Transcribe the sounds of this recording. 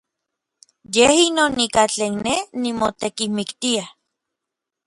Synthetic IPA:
jehinoːnikat͡ɬeːnnenimot̪ekimikt̪ia

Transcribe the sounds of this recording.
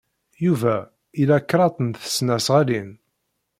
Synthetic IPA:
juvæ | ilækːɾˤɑt̪ˤənθə̥snæsʁælin

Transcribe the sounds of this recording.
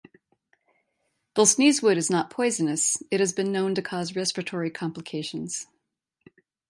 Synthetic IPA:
b̥ɪlˠsnizwʊɾɨznət̚pʰɔɪzɨnɨsɨt̚hɨzbɨ̃nːõʊ̃ntɨkʰɔzɹɛspɹɨtʰɔɹikʰɑ̃mpləkʰeɪʃɨ̃n̩z̥

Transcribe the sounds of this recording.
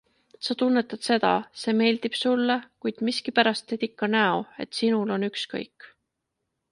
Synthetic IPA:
sɑt̪unːe̞t̪ːˑɑd̪̥se̞d̪̥ɑ̰se̞ːme̞ːld̪̥ib̥sulːekujd̪̥miskipæɾɑst̪ːet̪ikːɑnæoe̞̰t̪ˑsinulo̞nykskɤ̰jkːˑ

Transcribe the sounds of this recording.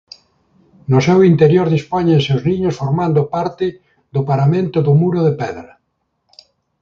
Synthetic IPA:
nʊsɛwint̪eɾjoɾðispoɲasewznĩɲosfoɾmãnd̪ʊpaɾt̪ɪ | ðʊpaɾamẽnt̪ʊðʊmuɾʊðepɛðɾɐ

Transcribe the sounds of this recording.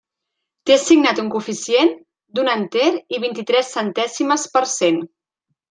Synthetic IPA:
t̪esiɡnat̪uŋkufisien | d̪unənt̪eɾiβ̞int̪it̪ɾɛsːənt̪ɛsiməspəɾsen

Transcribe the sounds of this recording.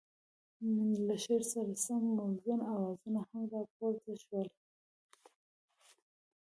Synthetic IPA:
laʃeɾsaɾasammazunawɑzunahamd̪ɑpoɾzaʃwəl

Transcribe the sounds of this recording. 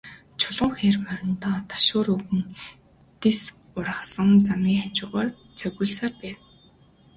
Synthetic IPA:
t͡ɕʰʊɮʊːŋxeːrmœɾʲɪ̆nt̪ɔːt̪ʰḁʃʊːruɣɘ̆n | t̪es | ʊrə̆χsə̆ŋt͡samiːŋxam̥t͡ɕʊ̆ːʁɔːr | t͡sʰœɣʲŭːɮsaːrpæːw

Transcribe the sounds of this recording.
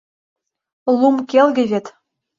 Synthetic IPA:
lˠumkelɡʲɘ̆βʲet̪

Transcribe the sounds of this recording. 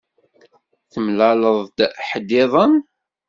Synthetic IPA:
θəmlæləðˤd̪̥ħəd̪ɪðˤən

